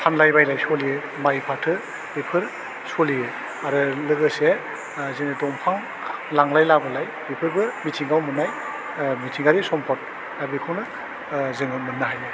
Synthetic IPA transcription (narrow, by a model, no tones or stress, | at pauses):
pʰanlajbajlajsɔlijɯ | majpʰatʰɯ | bipʰɯɾ | solijɯ | aɾɯlɯɡɯse | zeŋnɯdɔmpʰaŋ | laŋlajlabɯlaj | bipʰɯɾbɯmitʰiŋɡawmɯnaj | mitʰiŋɡaɾisɔmpʰɔt̚ | abikʰɯnɯ | zɯŋɯmɯnːɯɦajɯ